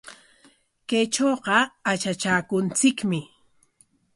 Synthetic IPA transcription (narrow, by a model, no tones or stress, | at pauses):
kajt͡ʃoːqɑat͡ʃat͡ʃaːkʊnt͡sɪkmɪ